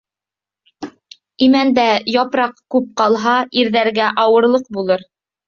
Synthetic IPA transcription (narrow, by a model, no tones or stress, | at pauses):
imænd̪æjɑpɾɑqkʉp̚qɑlˠɦɑʔiɾðæɾɡæʔɑwɤ̆ɾlˠɤq̚bulˠɤɾ